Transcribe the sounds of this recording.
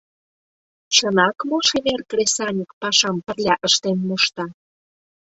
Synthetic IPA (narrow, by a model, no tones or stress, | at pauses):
t͡ɕənɑkmoʃeβerkrʲesɑnʲikpɑʃɑmpərlʲɑʔəʃt̪enmuʃt̪ɑ